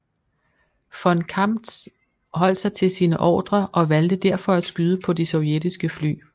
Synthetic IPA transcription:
fɒnkʰɑmd̥ | ɦɒ̽l̰d̥sɑ̈ɪt͡sʰe̝lsiːnəʔɒ̰ːd̥ʁɐʔɒ̽ʋæld̥əd̥æɐ̰fɒ̽æ̥sɡ̥yðˠəpʰɒ̽disɒ̽ʊjed̥isɡ̥əfly̰ː

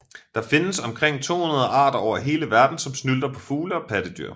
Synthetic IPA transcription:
d̥ɑ̈fe̝nəsɒ̽mkʰʁeŋ̰t͡sʰo̝̰ːhunɐðˠɐʔɑ̈ːd̥ɐɒʊɐɦe̝ːləʋæɐd̥n̩sɒ̽msnyld̥ɐpʰɒ̽fuːləɒ̽pʰæd̥əd̥y̰ɐ̰

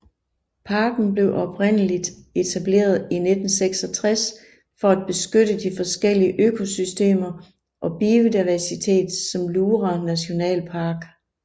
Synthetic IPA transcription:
pʰɑ̈ːɡ̥n̩ble̝ʊʔɒ̽b̥ʁen̰əlid̥ | e̝t͡sʰæb̥le̝̰ːɐð̞ˠine̝d̥n̩seɡ̥sɒ̽t͡sʰʁas | fɒ̽æd̥̚b̥e̝sɡ̥øɾəd̥ifɒ̽sɡ̥el̰iəʔøkʰo̝sysd̥e̝̰ːmɐ | ʔɒ̽b̥iod̥iʋæsit͡sʰe̝̰ːd̥sɒ̽mluːʁænæɕo̝nɛ̰ːlpʰɑ̈ːɡ̥

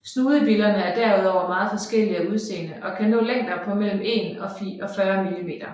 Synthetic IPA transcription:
snuːðˠəb̥ilɐnəæɐd̥æɐuð̞̰ˠɒʊ̰ɐmɑ̈ːð̩ˠfɒ̽sɡ̥el̰iɐuð̞ˠse̝̰ːnəʔɒ̽kʰænɔ̰̽ːleŋ̰d̥ɐpʰɒ̽mel̰m̩e̝nɒ̽fiʔɒ̽fɶːɐmilime̝̰ːd̥ɐ

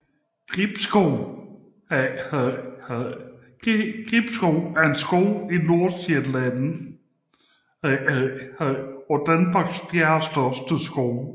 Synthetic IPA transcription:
ɡ̥ʁib̥sɡ̥o | ɡ̥ib̥sɡ̥oʊæɐe̝nsɡ̥ɔʊino̝ɐ̥e̥læn | ɒd̥ænm̥ɑ̈ɡ̥sfjæɐsd̥ɶsd̥əsɡ̥oʊ

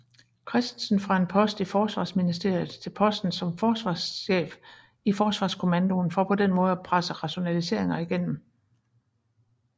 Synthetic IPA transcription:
kʰʁɛsd̥nsn̩fʁɑ̈e̝npʰɒ̽sd̥ifɒːsʋɑ̰̈ːsminisd̥e̝ɐ̰jð̩ˠt͡sʰe̝lpʰɒ̽sd̥n̩sɒ̽mfɒːsʋɑ̈sɕḛːf | ifɒːsʋɑ̈ːskʰo̝mænd̥o̝nfɒpʰɒ̽d̥enmɔ̽ːð̞̩ˠæpʰʁasəʁɑ̈ɕo̝nælise̝ɐ̰e̝ŋɐiɡ̥en̰m̩

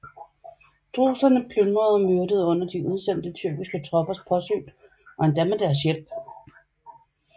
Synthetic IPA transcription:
t͡sʰʁo̝̰ːsɐnəpʰlønʁɐðˠmøɐdəð̞ˠɔ̽n̰ɐd̥iuð̞ˠsen̰d̥ət͡sʰyɐ̰ɡ̥isɡ̥ət͡sʰʁɒ̽b̥ɐspʰɒ̽sø̰ːn | ʔɒ̽end̥æmed̥æɐs̬jel̰b̥

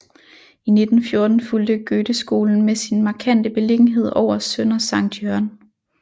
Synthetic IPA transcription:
ine̝d̥n̩fjo̝ɐd̥n̩fuld̥əɡ̥øːd̥əsɡ̥o̝̰ːln̩mesinmɑ̈ːkʰæn̰d̥əb̥e̝le̝ɡ̥n̩ɦe̝ð̞̰ˠɒʊ̰ɐsøn̰ɐsɑ̈ŋ̰d̥jœɐn

